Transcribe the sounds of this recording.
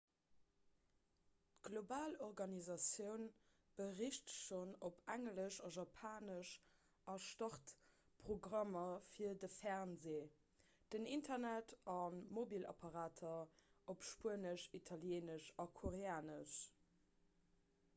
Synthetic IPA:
tɡ̥lobaːloʁɡɑnizɑsjəʊn | b̥əʁiʃtʃonopʰæŋləʃɑʒɑpʰaːnəʃ | ʔɑʃtɑχt | pʁoɡʁɑmɐfiɐdəfɛʁnzeː | d̥ənintʰɐnætʰɑnmobilɑ̰pʰɑʁaːtʰɐopʃpuənəʃitʰɑljeːnəʃɑkʰoʁeaːnəʃ

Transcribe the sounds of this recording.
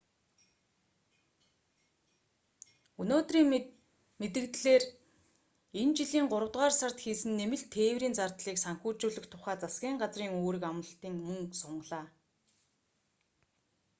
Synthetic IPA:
ɵnoːt̪riːŋ | met̪ɘ̆kt̪ɮeːr | ent͡ɕiɮiːŋɢʊɾə̆wt̪ʁaːrsar̥t̪xiːsɘ̆nːemɘ̆ɮt̪ʰeːwriːnt͡sart̪ɮiːksaŋxuːt͡ɕuːɮɵ̆kt̪ʰʊχæːt͡sasɡʲiːɴɢat͡sriːŋoːɾɘ̆kamə̆ɬt̪iːŋmɵŋsʊɴɢɮaː

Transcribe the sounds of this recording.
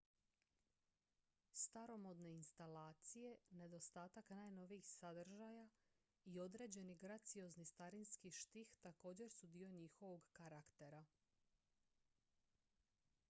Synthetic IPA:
st̪aɾo̞mo̞d̪ne̞inst̪alaːt̪sije̞ne̞d̪ost̪aːt̪aknaːjno̞ʋijixsad̪r̩ʒaja | io̞d̪ɾe̞ːd͡ʑe̞niɡɾat̪sijo̞znist̪aɾinskiʃt̪ixt̪ako̞ːd͡ʑe̞ɾsud̪io̞ɲixo̞ʋo̞ɡkaɾakt̪e̞ɾa

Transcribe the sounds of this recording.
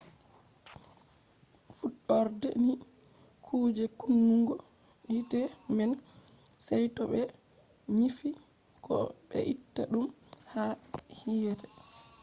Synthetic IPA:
fuɗɔɾdɛ̰ni | kʰuːd͡ʒɛkunːuŋɡɔ | itɛmɛn | sɛjtɔɓɛ | ɲifi | kɔ̰ɓɛ̰ʔitːaɗumhahijɛtɛ̥

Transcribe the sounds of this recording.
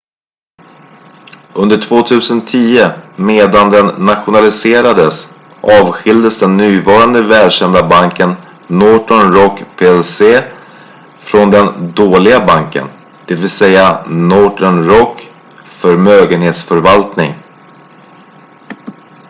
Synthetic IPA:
ɵnd̪əʈʰvoːt̪ʰʉ̟ːsənt̪ʰiːəmeːd̪and̪ɛnːat̪ɧʊnalɪseːɾad̪əs | ʔɑːvɧɪld̪əsd̪ɛnːyːvɑːɾand̪əvɛːlɕɛnd̪abaŋkənː | ɔʈɔɳɾɔkːpʰeːɛlseː | fɾɔnd̪ɛnd̪oːlɪɡabaŋkə̰n | d̪̥ɛvɪlsɛjanɔːʈəɳɾɔkː | fœɾmøːɡənheːt̪sfœɾvalt̪nɪŋ

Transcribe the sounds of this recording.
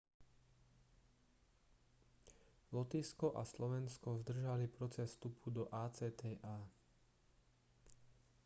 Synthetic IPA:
lɔt̪iːskɔʔaslɔʋɛnskɔzd̪r̩ʒalipɾɔt͡sɛsːt̪upʰud̪ɔʔaːt͡sɛːt̪ɛːʔaː

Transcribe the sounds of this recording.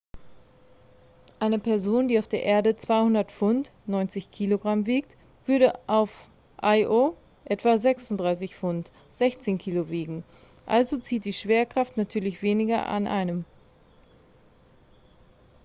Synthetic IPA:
ʔaɪnəpɛɐzoːndiːaʊfd̥eːɐʔeːɐdət͡sv̥aɪhʊndɐtfʊntnɔʏnt͡sɪçkʰiːloɡʁamviːk̚t | v̥ʏɐɾəʔaʊf | ʔaɪʔo | ʔɛtv̥azɛksʊndʁaɪs̬ɪçfʊnt | z̥ɛçt͡seːnkʰiːloveːɡŋ̩ | ʔa̰lzot͡siːt̚d̥iːʃv̥eːɐkʁ̥aftnatʰyːɐlɪçv̥eːnɪɡɐʔa̰nʔa̰ɪnəm

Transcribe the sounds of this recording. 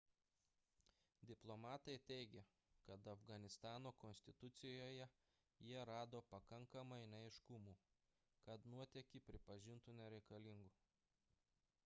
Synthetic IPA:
d̪ʲɪplˠomɑːt̪ɐɪt̪ʲɛɪɡʲɛ | kɐt̪ɐfɡɐnʲɪst̪ɑːnoːkɔnʲsʲt̪ʲɪt̪ʊt̪sʲɪjoːjɛ | jiɛɾɑːd̪oːpɐkɐŋkɐmɐɪnʲɐɪʃkʊmuː | kɐt̪nuɔt̪ʲɛkʲiːˑpʲɾʲɪpɐʒʲɪnt̪unʲɛɾʲɛɪkɐlʲɪŋɡu

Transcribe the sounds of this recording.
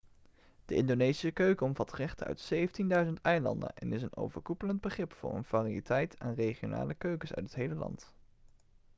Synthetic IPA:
d̥əʔɪndonejsisəkøɥkəɔmvɑtrɛχtəœ̰ɥtsejvəntindœɥzəntɛjlɑ̰ndə̰nʔɛ̰nɪsəno̰wvəɹkupələnd̚bəχrɪpfʊ̰ːɹə̰nv̥aːriitɛjtʰa̰ːnrejχijona̰ːləkøɥkəsœ̰ɥtətɦejləlɑ̰nt

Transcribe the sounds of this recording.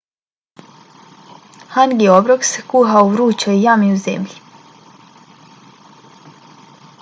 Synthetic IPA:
hanɡiobɾoksekuɦauɾuːt͡ʃɔijamiuzḛmʎi

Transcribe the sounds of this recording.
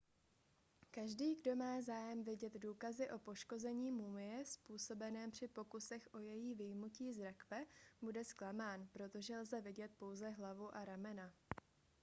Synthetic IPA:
kaʒdiːɡdo̞maːzaːjɛmvɪɟɛd̪duːkazɪʔo̞po̞ʃko̞zɛɲiːmumɪjɛspuːso̞bɛnɛːmpr̝̥ɪpo̞kusɛxʔo̞jɛjiːvɪjmuciːzɾakvɛbudɛsklamaːnpɾo̞t̪o̞ʒɛlzɛvɪɟɛt̪̚po̞wzɛɦlavuʔaɾamɛna

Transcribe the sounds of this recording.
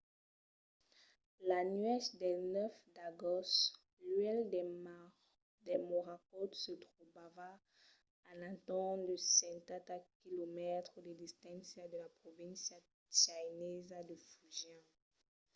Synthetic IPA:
lanɥɛsd̪ɛnœfd̪aɡɔst | lɥɛld̪ɛmaʁ | d̪ɛmoʁakɔt̪sət̪χuvava | ãlãt̪ɑ̃d̪əsɛ̃t̪ãt̪akilomɛt̪χəd̪əd̪ist̪ɛ̃sjad̪əlapχɔvɛ̃nsja | t͡ʃajnɛzad̪əfuʒjɛ̃

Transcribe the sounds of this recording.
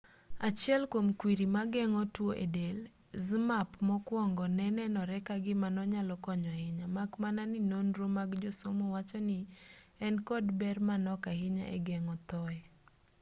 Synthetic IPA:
at͡ʃjɛlkwomkwiɾimaɡɛŋɔtwoʔḛdel | zmapmɔkwɔŋɡɔnɛnɛnɔɾɛkaɡɪmanɔɲalɔkɔɲwahɪɲamakmananɪnonɾomaɡd͡ʒosomowat͡ʃɔnɪ | ɛnkɔdbɛrmanɔkahɪɲa̰ʔɛ̰ɡɛŋɔt̪ɔɛ

